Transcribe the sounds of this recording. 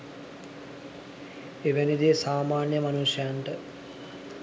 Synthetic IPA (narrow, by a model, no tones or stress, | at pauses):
eʋænid̪eːsaːmaːnjəmanusjjaɳʈə